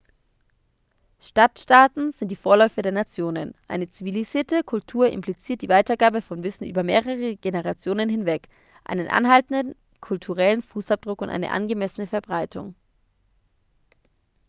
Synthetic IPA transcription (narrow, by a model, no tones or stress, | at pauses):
ʃtatʃtaːtn̩zɪntd̥iːfoːɐlɔʏfədeːɐnat͡sjoːnənʔa̰ɪnət͡siviliziːɐtəkʰʊltʰuːɐʔɪ̰mpʰlit͡siːɐt̚d̥iːvaɪtɐɡaːbəfɔnvɪsn̩ʔyːbɐmeːʁ̞əʁ̞əɡ̥enəʁ̞at͡sjoːnənɦɪnvɛk | ʔa̰ɪnənʔa̰nɦaltn̩dən̩ | kʰʊltʰuʁɛlənfuːsap̚d̥ʁʊkʊntʔa̰ɪnə̰ʔa̰nɡəmɛsənəfɛɐbʁaɪtʰʊ̰ŋ